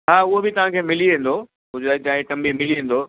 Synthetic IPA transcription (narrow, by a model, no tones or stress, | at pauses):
ɦaːʊɦobɪt̪ɐʋ̤ãkʰeːmɪliẽːn̆d̪oː | ɦʊd͡ʑaːd͡ʑaːekɐ̃mbʱimɪliẽːn̆d̪oː